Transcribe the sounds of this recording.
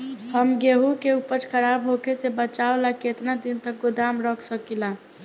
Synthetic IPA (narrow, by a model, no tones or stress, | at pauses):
həmɡeɦukeupəɾt͡ʃkʰəɾaːbɦoːkʰesebət͡ʃaːolaket̪nad̪ɪnt̪ək̚ɡʊd̪aːmɾɔkʰsəkilaː